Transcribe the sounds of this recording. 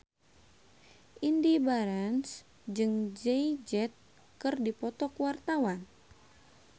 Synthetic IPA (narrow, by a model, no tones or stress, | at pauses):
ʔindibaɾans | d͡ʒɨŋd͡ʒɛid͡ʒɛt̪̚ | kɨrdipɔt̪ɔkwart̪awan